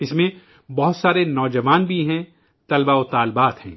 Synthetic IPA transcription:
ɪsmẽ | bɐɦʊt̪saːɾenɔːd͡ʒəʋaːnbʱiɦɛ̃ | t̪ɐlbaʊt̪aːlbaːt̪hɛ̰̃ː

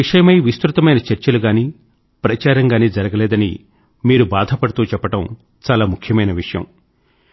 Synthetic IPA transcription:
iʂɐjɐmɐjʋist̪ɾut̪ɐmɐjnɐt͡ʃɐɾt͡ʃɐluɡaːniː | pɾɐt͡ʃaːɾɐŋɡaːniːd͡ʒɐɾɐɡɐlɛːd̪ɐnḭ | miːɾubaːd̪ʱɐpɐɽɐt̪uːt͡ʃɛpːɐʈɐm | t͡ʃaːlaːmukʰjɐmɐjnɐʋiʂɐjɐ̰m

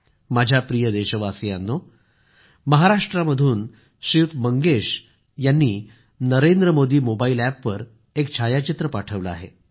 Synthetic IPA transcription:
mad͡ʑʱapɾijəd̪eɕəʋasijanːo | məɦaɾaʂʈɾaməd̪ʱuːn | ɕiʋt̪məŋɡeɕ | janːiː | nəɾend̪ɾəmod̪iːmobaiːlæpːəɾ | ek̚t͡ɕʰajat͡ɕit̪ɾəpaʈʰəʋləa̰ɦḛ

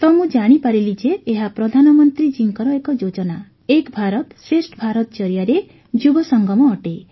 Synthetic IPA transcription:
t̪ɔmũd͡ʒaɽ̃ipaɾilid͡ʒeːɦapɾɔd̪ʱanɔmɔnt̪ɾid͡ʒiŋkɔɾɔekɔd͡ʒod͡ʒɔna | ekbʱaɾɔt̪sɾesʈbʱaɾɔt̪t͡ʃɔɾijaɾe | d͡ʒubɔsɔŋɡʱɔmɔːʈe

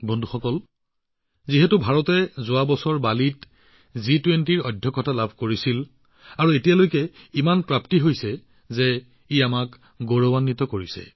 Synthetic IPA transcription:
bɔndʱuxɔkɔl | ziɦɛtubʱaɹɔtɛzʊabɔsɔɹbalit | zitwentiɹɔdʱjɔkːɔtalabʱkoɹisil | aɹuetijalojkɛimanpɹaptiɦojsɛ | zɛ | iamak | ɡoɹobanːitɔkoɹisɛ̰

